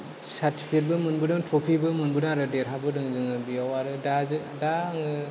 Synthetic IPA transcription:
satʰi̥pʰit̚bɯmɯnbɯdɯŋtʰopʰibɯmɯnbɯdaɾɯdeɾɦabɯdɯŋzɯŋɯbijawaɾɯdazɯ | daŋɯ

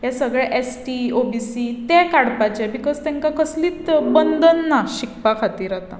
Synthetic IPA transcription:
jɛsəɡɭɛʔesʈiobisit̪ɛ̃kaɽpat͡ɕɛbikɔd͡zt̪ɛ̃ŋkakəsliːt̪bənd̪ʱənːaɕikpakʰat̪iːɾat̪a̰

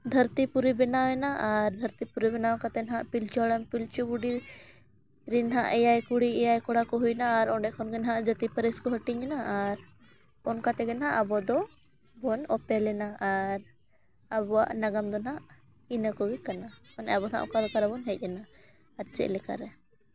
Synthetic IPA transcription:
d̪ʱəɾt̪ipuɾibɛnawɛnaʔaɾd̪ʱəɾt̪ipuɾibɛnawakat̪ɛnɦaʔpilt͡ʃɔɽɛmpilt͡ʃubuɖi | ɾinɦaʔɛjajkuɽiɛjajkɔɽakɔɦujnaːɾɔɳɖɛʔkʰɔnɡɛnɦaʔd͡ʒət̪ipəɾiskɔɦəʈiɲɛnaʔːɾ | ɔnkat̪ɛɡɛnɦaʔabɔd̪ɔ | bɔnɔpɛlɛnaːɾ | abɔwa̰ʔnaɡamd̪ɔnɦaʔ | inəkɔwikanaɔnɛbɔnɦa̰ʔɔkalkaɾabɔnɦɛc̚ˀɛnaː | ɾt͡ʃɛ̰ʔlɛka̰ɾɛ

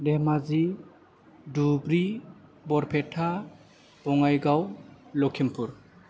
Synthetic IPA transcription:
demazi | dubɾibɔɾpʰetʰa | b̥ɔŋajɡawlɔkʰimpʰuɾ

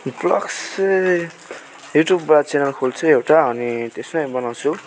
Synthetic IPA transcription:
blʌks | juʈjubːat͡senʌlkʰolt͡sʰʌewʈaʌnit̪esnʌjbʌnawt͡sʰu

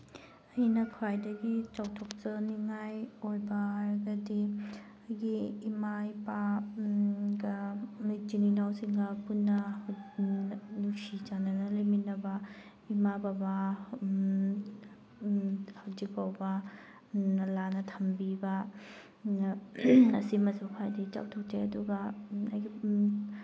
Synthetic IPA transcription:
ɐjnɐkʰuajdɐɡit͡ʃawtʰɔk̚t͡ʃɐniŋajojbɐhaɾɐɡɐdi | ɐjɡiːmaipa | ɡɐmid͡ʒininawsiŋɡɐpunːɐh | nuŋsid͡ʒanɐnɐleminɐbɐ | imababa | hawzik̚pawbɐ | lanɐtʰɐmbibɐ | ɐsimɐzawpʰajdit͡ʃa̰w̚tʰok̚teɐduɡɐɐ̰jɡi

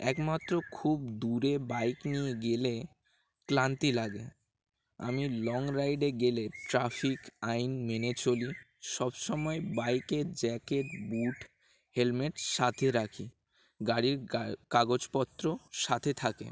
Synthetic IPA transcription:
ɛkmat̪ːɾokʰubd̪uɾebajknijeɡele | klant̪ilaɡḛ | a̰milɔŋɾajɖeɡeleʈɾafikajnmenet͡ɕoli | ʃɔbʃɔmɔebajked͡ʑɛkeʈbuʈ | helmeʈʃat̪ʰeɾakʰi | ɡaɽiɾkaɡod͡ʑpɔt̪ːɾoʃat̪ʰet̪ʰakḛ

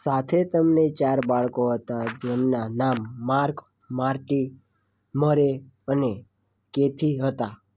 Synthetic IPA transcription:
sat̪ʰet̪əmnet͡ʃaɾbaɭkoɦət̪ad͡ʒemnanamːaɾk | maɾʈi | məɾe | əne | ket̪ʰiɦət̪a

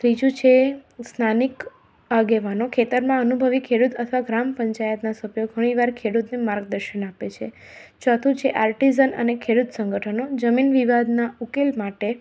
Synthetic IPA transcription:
t̪ɾid͡ʒũt͡ʃʰesnanik | aɡeʋanokʰet̪əɾmãənubʱəʋikʰeɽut̪ət̪ʰʋaɡɾampəɲt͡ʃajət̪nasəbjoɡʱəɽ̃iʋaɾkʰeɽut̪nemaɾɡ̚d̪əɾʃənapet͡ʃʰe | t͡ʃɔt̪ʰũt͡ʃʰeʔaɾʈizənə̰nekʰeɽut̪sə̃ŋɡəʈʰənod͡ʒəminʋiʋad̪naukelmaʈe

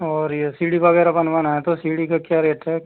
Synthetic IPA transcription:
ɔːɾesiːɽibɐɣɛːɾabɐnʋanaɦɛt̪osiːɽikakjaɾeːʈɦɛ

